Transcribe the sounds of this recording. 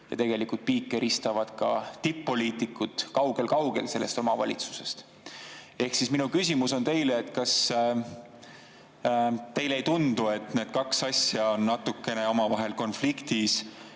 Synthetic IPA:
jɑ̰t̪e̞ɡ̥e̞likult̪̚piːkːˑe̞ɾʔist̪ɑvɑd̪̥kɑ̰t̪ipːo̞liːt̪ikːut̪kɑwɡ̥e̞lkɑwɡ̥e̞̰lse̞lːe̞st̪o̞mɑvɑlʲit̪su̥se̞̥st̪ | e̞hksisminukysʲimuso̞nt̪e̞jleːt̪ːkɑs | t̪e̞jle̞jt̪und̪̥ue̞t̪ne̞ːd̪̥kɑksɑsʲjɑo̞nːɑt̪ukːe̞ne̞o̞mɑvɑɦe̞lko̞nflikt̪is

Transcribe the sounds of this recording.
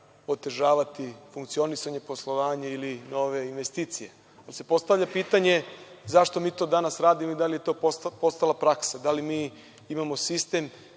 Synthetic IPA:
o̞t̪e̞ʒaːʋat̪ifuŋkt̪sio̞nisaɲe̞po̞slˠo̞ʋaːɲailino̞ʋe̞inʋe̞st̪iːt̪sije̞ | alise̞po̞st̪aʋʎʲapiːt̪aɲe̞zaʃt̪o̞miːt̪o̞d̪anasɾaːd̪imoid̪alije̞t̪o̞ːpo̞st̪alˠapɾaksad̪alimiː | imamo̞sist̪e̞m

